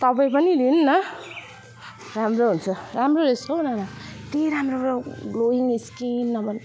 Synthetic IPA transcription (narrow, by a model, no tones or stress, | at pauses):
t̪ʌpaĩpʌnilinːʌ | ramroɦunt͡sʰʌɾamroɾesʌwnanʌt̪iɾamroaloiniskinːʌbʌn